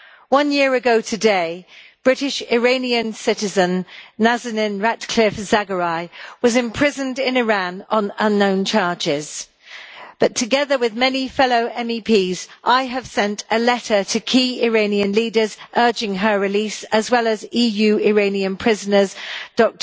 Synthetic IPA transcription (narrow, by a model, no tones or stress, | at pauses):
wʌ̃njɪəɹɨɡoʊtʰɨdeɪb̥ɹɪɾɪʃɪɹẽɪ̃niə̃nsɪtɪzə̃nːazənɪ̃nɹatkʰl̥ɪfz̥aɡəɹaɪwɒzɪ̃mpʰɹ̥ɪzə̃ndɪ̃nɪɹãnə̃nə̃nːõʊ̃nt͡ʃʰɑɹd͡ʒɪz̥ | b̥ʌtʰəɡɛðəwɪðmɛnifɛloʊʔɛ̃mipʰiːzʔaɪəv̥sɛ̃ntʰəlɛtətʰəkʰiːɪɹẽɪ̃niə̃nliːdəzʔɜːd͡ʒɪ̃ŋəɹɪliˑsəzwɛləziːjʉːɪɹẽɪ̃niə̃npʰɹ̥ɪzənəzd̥ɒk̚t